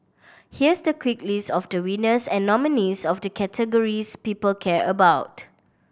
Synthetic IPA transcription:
hiəsdəkʰwiklistɔfdəwĩnəsɛ̃nːɔminisɔfdəkʰɛtʰəɡɔɹispiːpəlkʰɛɹʔə̰baʊt

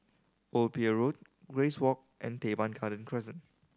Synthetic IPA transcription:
ʔolpiəɹot̚ | ɡɹeswɔk̚ʔɛ̰̃ntebãnɡadə̃nkʰɹɛsə̃n

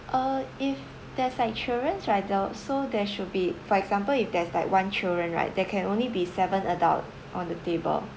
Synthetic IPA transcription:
ʔəif | dɛslaɪk̚t͡ʃildɹə̃nsɹaɪt̚dasodɛʃud̚bifɔɛɡzãmpəlifdɛslaɪkwãnt͡ʃildɹə̃nɹa̰ɪt̚dɛkʰɛ̃nõnlibisɛvə̃nəda̰lt̚ | ʔɔ̃ndətebə̰l

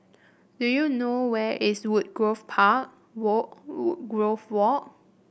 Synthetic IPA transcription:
dujunowɛʔiswut̚ɡɹofpʰaʔ̚ | wɔuɡɹofwɔʔ

